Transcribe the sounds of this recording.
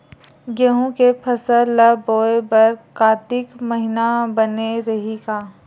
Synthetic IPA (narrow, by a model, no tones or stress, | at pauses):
ɡeɦũkepʰɐsələboːebɐɾkaːt̪ɪkmɐɦɪnabɐneɾɐɦiɡaː